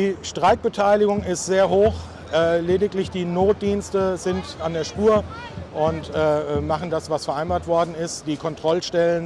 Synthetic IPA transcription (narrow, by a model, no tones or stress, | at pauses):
iːʃtʁ̥aɪk̚b̥ətʰaɪlɪɡʊŋɪstz̥eːɐɦoːx | ʔɛleːdɪklɪçd̥iːnoːt̚d̥iːnstəzɪntandeːɐʃpuːɐ | ʔʊntɛːmaχn̩dasv̥asfɛɐʔaɪnbaːɐtv̥ɔɐdn̩ɪstd̥iːkʰɔntʁ̥ɔlʃtɛlən